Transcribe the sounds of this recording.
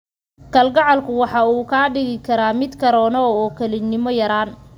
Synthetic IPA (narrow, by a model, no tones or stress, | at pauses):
kʰɐlɡɑʕɑlkʰʊwɑħɑuːkʰaːɖɪɣɪkʰɐɾaːmɪd̪kʰɐɾɔːnɔɔːkʰɐlɪnːɪmɔjɐɾaːn